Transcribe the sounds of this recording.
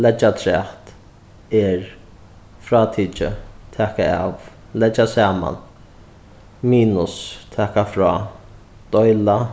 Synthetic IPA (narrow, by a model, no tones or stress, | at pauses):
lɛt͡ʃːat̪ʰɾɛht̪ | ɛɹ | fɾaːt̪ʰiːt͡ʃə̰t̪ʰɛːkaa̰v | lɛt͡ʃːasaːma̰n | miːnʊst̪ʰɛːkafɾɔː | d̪̥ɔjla